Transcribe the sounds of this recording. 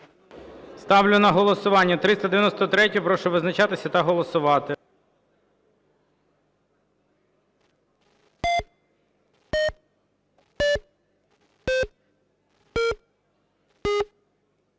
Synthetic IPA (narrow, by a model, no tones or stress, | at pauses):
st̪ɑʋlʲʊnɐɦɔlˠɔsʊʋɑnʲːɐt̪ɾɪst̪ɐd̪eʋʲjɐnɔst̪ɔt̪ɾɛtʲɔpɾɔʃɔʋɪznɐt͡ʃɑt̪ɪsʲɐt̪ɐɦɔlˠɔsʊʋɑt̪ɪ